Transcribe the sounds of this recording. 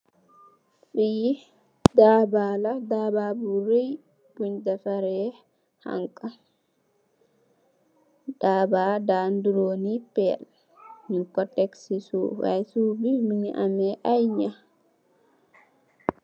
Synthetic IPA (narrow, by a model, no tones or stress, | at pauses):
ɗiji | dabaladababuɾej | b̥uɲdafaɾɛ | ha̰ŋkʼa | daːbadanduɾoːnipɛl | ɲiŋkɔtɛksisuwa̰jsubimiɲiʔamɛʔajɲa